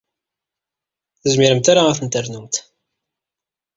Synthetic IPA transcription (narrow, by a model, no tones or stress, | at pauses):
θəzmiɾəmt̪aɾaaθənt̪əɾnumt̪